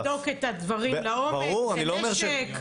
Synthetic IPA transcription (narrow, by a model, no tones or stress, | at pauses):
doketadvaʁimlaombaeʁuʁaniloːmeʁʃek